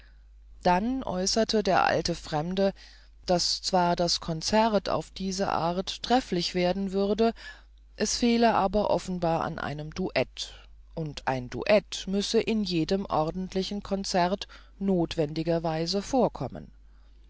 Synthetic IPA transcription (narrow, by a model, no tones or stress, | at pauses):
d̥anʔɔ̰ʏsɐtʰədeːɐʔa̰ltəfʁ̥ɛmdə | d̥ast͡sv̥aːɐdaskʰɔnt͡sɛʁtʰa̰ʊfd̥iːzɐ̰ʔa̰ːɐttʁ̥ɛflɪçv̥eːɐdn̩vʏʁdə | ʔɛsfeːləʔaːbɐʔɔfn̩baːɐʔa̰nʔa̰ɪnəmduʔɛt | ʔʊntʰʔa̰ɪndṵʔɛtmʏsəʔɪnjeːdəmʔɔʁdn̩tʰlɪçn̩kʰɔnt͡sɛʁt | noːtv̥ɛndɪɡɐvaɪzəfoːɐkʰɔmə̰n